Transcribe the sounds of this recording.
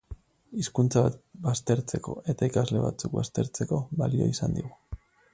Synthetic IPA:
iskunt͡saβat̪bast̪e̞ɾt͡se̞ko̞̰e̞t̪aikazle̞βa̰t͡suk̚bast̪e̞ɾt͡se̞ko̞βalioisand̪iɣu

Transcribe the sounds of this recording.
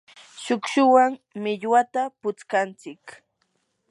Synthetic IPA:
ʃʊkʃʊwaŋmɪʎwat̪apʊt͡skant͡sɪk

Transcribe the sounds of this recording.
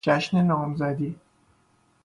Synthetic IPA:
d͡ʒæʃnenɒːmzæd̪iː

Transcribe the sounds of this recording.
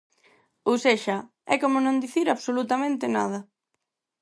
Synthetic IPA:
owseʃɐ | ɛ̰komʊnõnd̪iθiɾaβsolut̪amẽnt̪ɪnað̞ɐ

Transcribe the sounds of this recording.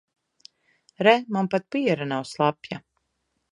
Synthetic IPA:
ɾɛmanpat̪̚piɛɾanawslˠapja

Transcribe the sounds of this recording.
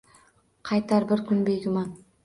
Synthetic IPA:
qʰɑjt̪ɑɾbɪɾkʲʰʏnbe̞jɡʲɪmɑn

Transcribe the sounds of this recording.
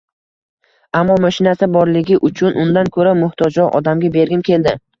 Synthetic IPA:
amːɒmaʃɪnasɪbɒɾlɪɡʲɪʔʊt͡ʃʰʊnʔʊnd̪ankʰɵɾamʊht̪ʰɒd͡ʒɒʔɒ̰d̪amɡʲabe̞ɾɡʲɪmkʲʰe̞ld̪ɪ

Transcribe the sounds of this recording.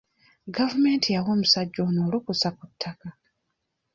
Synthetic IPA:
ɡavume̞ːntʰijawoːmusaɟːoːnoːlukusakutʰːaka

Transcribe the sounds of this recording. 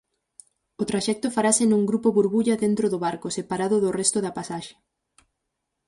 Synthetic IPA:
ʊt̪ɾaʃɛk̚t̪ʊfaɾasɪnũŋɡɾupoβuɾβuʎɐðent̪ɾoðʊβaɾkosepaɾaðʊðʊrɛst̪ʊðɐapasaʃe̥

